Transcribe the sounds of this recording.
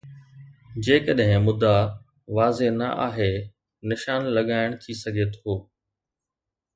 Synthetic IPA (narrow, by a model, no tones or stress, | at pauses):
d͡ʑeːkəɗɦɪ̃mʊd̪a | ʋaːzenɐ̰ʔa̰ːɦe | nɪʃaːnlɐɠaːɪɽ̃t̪ʰisɐɡʱet̪ʰoː